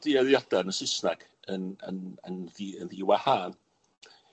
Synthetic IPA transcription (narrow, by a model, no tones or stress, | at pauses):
d̥iɛðjadanəsɪsnaɡ̥ | ənə̰nənðiənðiwahaːn